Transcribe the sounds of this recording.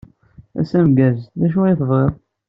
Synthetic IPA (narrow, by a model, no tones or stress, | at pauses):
æ̰sæmɡæzðæʃ̬ujθvˤʁeðˤ